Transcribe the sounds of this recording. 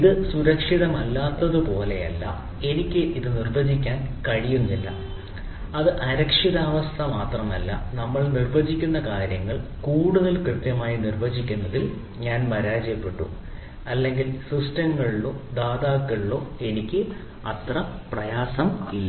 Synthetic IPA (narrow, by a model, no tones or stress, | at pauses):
iðɨsuɾɐkʂiðɐmɐlːaːt̪ːɐðɨpo̞ːle̞̰jɐ̰lːɐ̰ | e̞nikʲːɨʔiðɨnirbɐd͡ʑikʲːaːnkɐɻijunːilːɐ̰ | ɐðɨʔɐɾɐkʂiðaːʋɐst̪ʰɐmaːt̪rɐmɐlːɐ̰nɐmːɐɭnirbɐd͡ʑikʲːunːɐkaːɾjɐŋːɐɭkuːɽuðɐlkrɨt̪jɐmaːjinirbɐd͡ʑikʲːunːɐðil | ɲaːnmɐɾaːd͡ʑɐjɐpːe̞ʈːṵ | ɐlːe̞ŋɡilsistɐŋːɐɭiloːd̪aːðaːkːɐɭilo̞ːe̞nikʲːɨ | ɐt̪rɐprɐjaːsɐmilːɐ